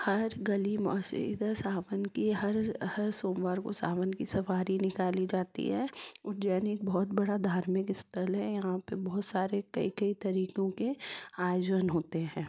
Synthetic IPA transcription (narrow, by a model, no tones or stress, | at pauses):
hɐɾɡɐlimɔ̰ːsḭd̪əsaːʋənkiɦɐɾhɐɾsoːmʋaːɾko̰sa̰ːʋənkisɐfaːɾinɪkaːlid͡ʒaːt̪ḭɦɛɔd͡ʒɛːneːk̚bɔːt̪bɐɽad̪ʱaːɾmɪkɪst̪ʰəlɦɛ̃jɐɦãpɐbɔːt̪saːɾekɐ̰ikɐit̪ɐɾiːkõkeaːjd͡ʒənɦoːt̪eɦɛ̃ː